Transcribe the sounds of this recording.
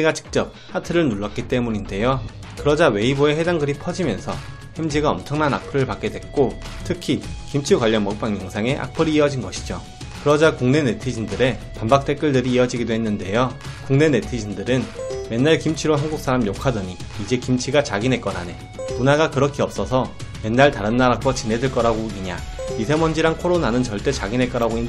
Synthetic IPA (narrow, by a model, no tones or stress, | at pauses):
iɡat͡ɕɯ̥k̚t͡ɕ͈ʌp̚hatʰɯɾɯɭnuɭːʌk͈it͈e̞muɲinde̞jo | kɯɾʌd͡ʑawe̞ibue̞ɦe̞daŋɡɯɾipʰʌd͡ʑimjʌnsʰʌ | hemd͡ʑiɡaʌmt͡ɕʰʌŋnana̰k̚pʰɯɾɯɭpak͈e̞dwe̞k̚k͈o | tʰɯkʰikimt͡ɕʰikwaʎːʌnmʌk̚p͈aŋjʌŋsʰaŋe̞ʔa̰k̚pʰɯɾiːʌd͡ʑinɡʌɕʰi̥d͡ʑo | kɯɾʌd͡ʑakuŋne̞ne̞tʰid͡ʑindɯɾe̞ | pambak̚t͈e̞k͈ɯɭdɯɾiːʌd͡ʑiɡidoɦe̞nːɯnde̞jo | kuŋne̞ne̞tʰid͡ʑindɯɾɯnme̞nːaɭkimt͡ɕʰiɾoɦanɡuk̚s͈aɾamijokʰadʌɲiːd͡ʑe̞kimt͡ɕʰiɡat͡ɕaɡinɦe̞k͈ʌɾa̰ne̞ | munaɡakɯɾʌkʰeʌp̚s͈ʌsʰʌ | me̞nːaɭtaɾɯnːaɾak͈wʌt͡ɕinɦe̞dɯɭk͈ʌɾaɡoiɲa | isʰe̞mʌnd͡ʑiɾankʰoɾonanɯnt͡ɕʌɭt͈e̞t͡ɕaɡinɦe̞k͈ʌɾaɡoinː